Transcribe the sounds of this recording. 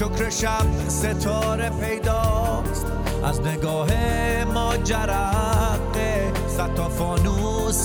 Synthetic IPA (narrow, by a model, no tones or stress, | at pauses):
okɾeʃab̚ | set̪ʰɔːɾepʰejd̪ɒː | st̪ | ʔæ̰zneɡɔːɦe | mɔːd͡ʒaɾæq | e | sæt̪ʰːɔːfɔːnu | s